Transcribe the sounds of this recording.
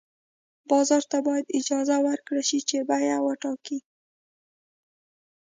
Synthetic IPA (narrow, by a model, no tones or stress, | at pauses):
bɑzɑɾt̪abɑjad̪ɪd͡ʒɑzawəɾkɽaʃit͡ʃebajawəʈɑki